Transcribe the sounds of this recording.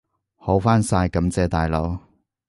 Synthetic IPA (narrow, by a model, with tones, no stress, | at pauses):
ho˨˥wfaː˥nsaː˧jkɐ˨˥mt͡sɛː˧t̪aː˨jlo˨˧˥w